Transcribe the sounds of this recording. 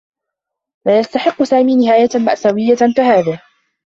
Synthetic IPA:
laːjast̪aħɪqːʊsaːmiːnɪhaːjama̰ʔsawɪjːakahaːðɪh

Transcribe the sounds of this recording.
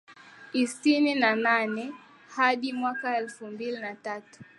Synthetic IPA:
isininananɛ | haɗimwakaɛlfumbilinatatu̥

